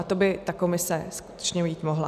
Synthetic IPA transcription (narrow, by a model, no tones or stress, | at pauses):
at̪o̞bɪt̪ako̞mɪsɛsku̥t̪ɛ̥t͡ʃɲɛjiːt̪mo̞ɦla̰